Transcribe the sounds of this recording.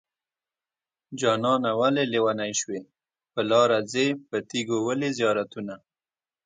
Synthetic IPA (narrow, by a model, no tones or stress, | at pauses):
d͡ʒɑnɑnawalelewanajʃwe | pəlɑɾad͡zepət̪iɡowəlezjɑɾat̪una